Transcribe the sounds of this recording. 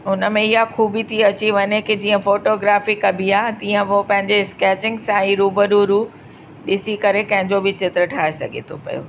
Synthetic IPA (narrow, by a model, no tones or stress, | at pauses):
ʊnəmẽɪɦaxʰuːbʱit̪ʰiɐt͡ɕiʋɐɲekɪd͡ʑiːə̃foːʈoːɡɾaːfikɐbʱiaːɦt̪ĩːə̃ʋopɐ̃ɦɪ̃ɲd͡ʑeskɛːt͡ɕɪ̃ŋɡsãiːɾuːbəɗuɾuː | ɗɪsikɐɾekɐ̃ɦɪ̃ɲd͡ʑobɪt͡ɕɪt̪ɾəʈʰaːesɐ̰ɡʱḛt̪ʰopɐ̰jo̰ː